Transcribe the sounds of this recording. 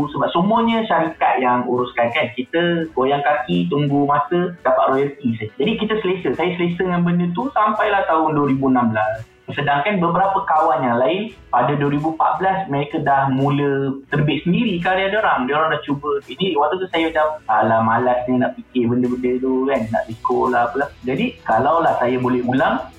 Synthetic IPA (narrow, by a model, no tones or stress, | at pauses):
səbap̚səmuəɲə̃ʃaɾikat̪̚jaŋuɾʊskankankit̪əɡojaŋkakit̪uŋɡumasədapaʔɾojəlt̪isajd͡ʒadikit̪əsəlesəsajəsəlesəŋanbəndət̪usampajlaht̪aʊnduwəɾibuənambəlas | sədaŋkanbəbəɾapəkawanjaŋlaɪn | padaduəɾibupa̰ʔ̪̚bəlasmeɾikədahmũlət̪ərbɪʔ̚səndiɾikadiadoɾaŋdəoɾaŋdaht͡ʃubəiniwat̪ut̪̬usajəd͡ʒaalamalasninaʔpikɪbəndəbəndət̪ukanːa̰ʔbikolaapəlahd͡ʒadikalawlahsajabolɛhɡulaŋ